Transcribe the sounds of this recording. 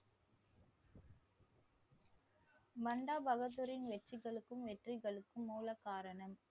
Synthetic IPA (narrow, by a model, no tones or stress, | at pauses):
mɐɳɖaːbʱɐɣɐt̪̬ːɯɾɪnʋɛʈrɪɣɐɭɯkːɯmʋɛʈrɪɣɐɭɯkːɯmːuːlɐkːaːɾɐɳɐm